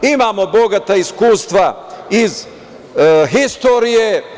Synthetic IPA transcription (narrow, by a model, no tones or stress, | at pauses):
imaːmo̞bo̞ɡat̪aiskuːst̪ʋaiz | ɦist̪oɾije